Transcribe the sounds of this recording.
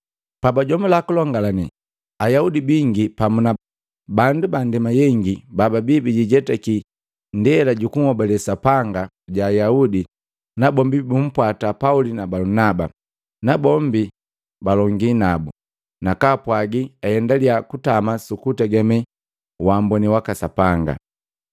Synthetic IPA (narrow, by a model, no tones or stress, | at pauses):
pabaɟɔmilakulɔŋɡalani | ajaudibiŋɡipamuna | bandubandɛmajɛŋɡibababibiɟiɟɛtaki | ndɛlaɟukuŋhɔbɛlɛsapaŋɡa | ɟaːjaudi | nabɔmbibum̩pwatapaulinabalunaba̰ | nabɔmbi | balɔŋɡinabu | nakapwaɡiahɛndaliakutamasukutaɡɛmɛ | wambɔniwakasapaŋɡa̰